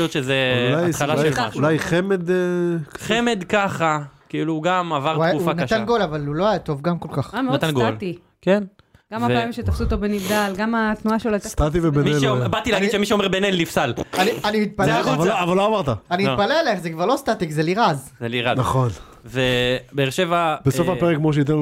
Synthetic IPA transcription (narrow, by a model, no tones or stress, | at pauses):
jot̪ʃezeulajalalajlaʃulajχemed̪eχemed̪kaχakiiluɡamavaʁtuaajaɡuufanaatanɡo̞lavaluloajat̪o̞vɡamko̞lkaχamenat̪anɡoalti | ken | ɡamhaaamimʃet̪afsut̪obenivd̪alɡamat̪nuaʃeloast̪at̪ivebemelbat̪ileaɡidʃemiʃeomeʁbenelːifsalanianimit̪̚palevaloavaloavaʁt̪aanimitpalelaeχzekvaʁlost̪at̪ikzeliʁazzeliʁaznaχo̞n | vebeːʁʃevab̥eso̞fapeʁekmoʃ̬eit̪̬enl